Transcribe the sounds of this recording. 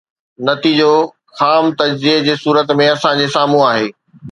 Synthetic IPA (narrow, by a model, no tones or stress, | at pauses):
nɐt̪id͡ʑo | xaːmt̪ɐd͡ʑzid͡ʑeːsuːɾət̪mẽɐsãd͡ʑeːsaːmũaːɦeː